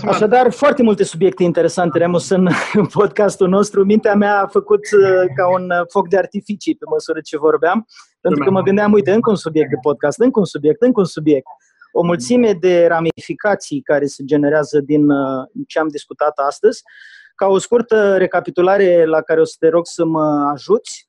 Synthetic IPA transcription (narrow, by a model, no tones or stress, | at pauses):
aʃad̪arfoart̪e̞mult̪e̞subje̞k̚t̪e̞int̪e̞ɾe̞sant̪e̞ɾemosɨnpo̞d̪̚kast̪ulno̞st̪ɾumint̪eameaːfəkut̪əkaunfo̞k̚d̪eart̪ifit͡ʃipe̞məsuɾət͡ʃe̞vo̞rbeampent̪ɾukəməɡɨnd̪amujt̪e̞ɨŋkəunsubjek̚t̪d̪epo̞d̪̚kast̪ɨŋkəunsubje̞k̚t̪ɨŋkəunsubje̞k̚t̪̚ | o̞mult̪simed̪e̞ramifikat̪sijkaɾe̞se̞d͡ʒe̞ne̞ɾeazəd̪int͡ʃeamd̪iskut̪at̪ast̪əzʲ | kao̞skurt̪əɾe̞kapit̪ulaɾe̞lakaɾeo̞sə̥t̪e̞ɾo̞ɡsəməaʒut̪sʲ